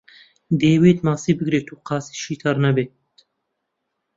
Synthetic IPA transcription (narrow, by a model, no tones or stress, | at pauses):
d̪eːweːt̪mɑːsiːbɨɡɾeːt̪ʰuːqɑːsi̥ːʃiːt̪ʰɑɾnæbeː | t̪